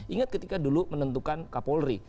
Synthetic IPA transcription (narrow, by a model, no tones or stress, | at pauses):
ʔiŋat̪̚kət̪ikadulumənənt̪ukankapolɾi